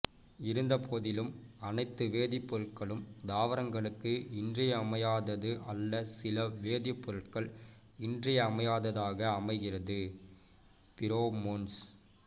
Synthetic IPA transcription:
ɪɾɯnd̪ɐpʰoːðɪlɯmɐnɐɪt̪ːɯʋeːðɪpːɔɾɯʈ̚kɐɭɯmd̪aːʋɐɾɐŋɡɐɭɯkːɯɪndrɪjɐːmɐjaːðɐðɯʔɐlːɐsɪlɐʋeːðɪpːɔɾɯʈkɐɭ | ɪndrɪjɐːmɐjaːðɐðaːɣɐːmɐɪɣɪrɐðɯ | pɪɾoːmons

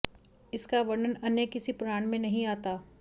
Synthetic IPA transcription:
ɪskaʋɐɾnənɐnjekɪsipʊɾaːɳmẽnɐɦĩaːt̪aː

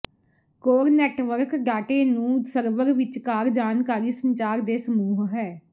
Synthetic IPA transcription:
koːɾnɛːʈʋəɾkɡaːʈeːnũːsəɾʋəɾʋɪt͡ʃkaːɾd͡ʒaːnkaːɾiːsənt͡ʃaːɾd̪eːsəmuːɦɦɛː

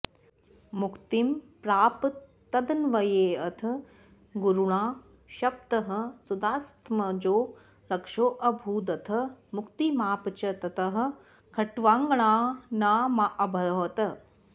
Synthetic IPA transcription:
mukt̪impɾaːptː | ɐd̪ɐnʋɐjeːɐt̪ʰɐ | ɡuɾuɳaː | ʃɐp̚t̪ɐɦɐ̆sud̪aːst̪mɐd͡ʒoː | ɾɐkʂoːʔɐbʱuːd̪ɐt̪ʰɐmukt̪imaːpt͡ʃɐt̪ɐt̪ɐɦɐ̆ | kʰɐʈʋaːŋɡɐɳaːnaːmaʔɐbʱɐlɐːt̪ɐ

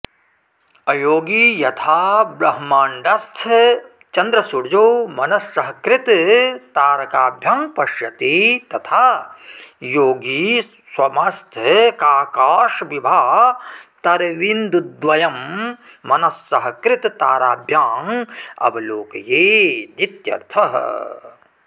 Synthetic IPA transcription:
ɐjoːɡijɐt̪ʰaːbɾɐɦmaːɳɖɐst̪ʰ | t͡ʃɐnd̪ɾɐsuɽd͡ʒoːmɐnɐsːɐɦɐkɾɪt̪t̪aːɾɐkaːbʱjaːŋpɐʃjɐt̪et̪ɐt̪ʰaː | joːɡi | swɐmɐst̪ʰkaːkaːʃʋibʱaːt̪ɐɾʋind̪ud̪ʋɐjɐmː | ɐnɐsːɐɦkɾɪt̪t̪aːɾaːbʱjaːŋɐ̰bloːkjeːd̪it̪jɐ̰ɾt̪ʰɐɦ

